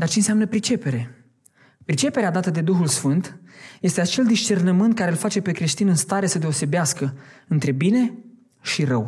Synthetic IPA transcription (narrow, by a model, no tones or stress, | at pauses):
d̪art͡ʃenseamnəpɾit͡ʃe̞pe̞ɾe̞ | pɾit͡ʃe̞pe̞ɾead̪at̪əd̪e̞d̪uxulsfɨnt̪je̞st̪e̞at͡ʃe̞ld̪iʃt͡ʃe̞rnəmɨnt̪̚kaɾeɨlfat͡ʃe̞pe̞kɾe̞ʃt̪inɨnst̪aɾe̞səd̪eo̞se̞beaskəɨnt̪ɾe̞bine̞ | ʃirəw